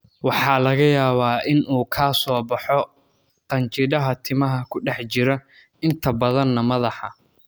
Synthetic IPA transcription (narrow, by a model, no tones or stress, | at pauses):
wɑħɑːlɐɣɐjaːβaːʔɪnuːkʰaːsɔːbɑħɔ | qɐnt͡ʃɪðɐɦɐt̪ʰɪmɐɦɐkʰʊɖɛħt͡ʃɪɾɐ | ɪnt̪ʰɐbɐðɐnːɐmɐðɑħɑ